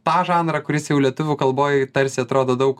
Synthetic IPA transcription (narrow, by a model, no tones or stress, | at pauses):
t̪ɑːʒɑːnɾɐkʊɾʲɪsjɛʊlʲiɛt̪ʊʋʲʊkɐlˠboːjɛt̪ɐɾʲsʲɪɐt̪ɾoːd̪oːd̪ɐʊk